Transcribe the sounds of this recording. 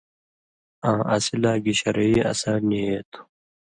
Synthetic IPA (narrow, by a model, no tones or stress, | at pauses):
ãːʔasilaːɡiɕɐɾɐiːɐ̰saːniet̪ʰu̥